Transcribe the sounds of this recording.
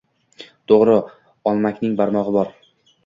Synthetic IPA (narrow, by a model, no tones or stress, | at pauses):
t̪ʰoʁɾɪ | ɒlˠmakʲnɪŋbaɾmɒʁɨbɒɾ